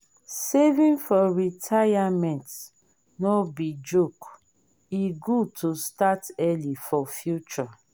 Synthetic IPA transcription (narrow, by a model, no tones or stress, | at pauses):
sevĩnfɔɹitʰajamɛ̃nt | nɔbid͡ʒok | iɡud̚tʰostatɛlifɔfjut͡ʃɔ